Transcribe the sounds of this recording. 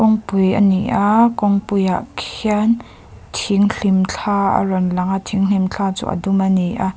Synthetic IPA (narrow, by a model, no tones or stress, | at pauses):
kɔŋpujʔə̰nḭʔakɔŋpujaʔkʰian | t̪ʰiŋɬimt͡ɬʰaːə̰rɔnlɐŋaʔt̪ʰiŋɬimt͡ɬʰaːt͡sṵʔə̰dumʔəniʔaʔ